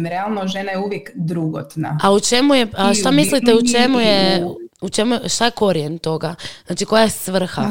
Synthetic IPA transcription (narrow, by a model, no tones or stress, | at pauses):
ɾealˠnoʒenajeuʋjekd̪ɾuɡo̰t̪na̰aut͡ʃe̞mujeaʃt̪amislit̪eut͡ʃemujeut͡ʃe̞mujʃt̪aje̞ko̞ɾijent̪o̞ɡaznaːt͡ʃiko̞jasʋr̩xa̰